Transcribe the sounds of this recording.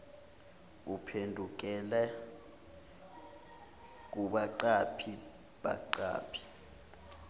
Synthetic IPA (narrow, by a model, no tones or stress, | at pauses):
upʰendʱuk̬ɛlɛ | k̬uɓaǀapʰi | ɓa̰ǀa̰ːpʰi̥